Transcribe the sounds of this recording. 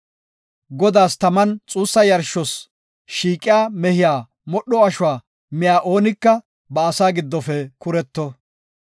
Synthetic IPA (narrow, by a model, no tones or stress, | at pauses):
ɡɔd̪aːst̪ɐmɐnt͡sʼuːsːɐjɐɾʃɔs | ʃiːkʼːɪjaːmɛhɪjaː | mɔɗːɔɐʃʊwaː | mɪjaːʔo̞ːnɪkːɐ | bɐːsaːɡɪd̪ːɔfɛkʊɾɛt̪ːɔ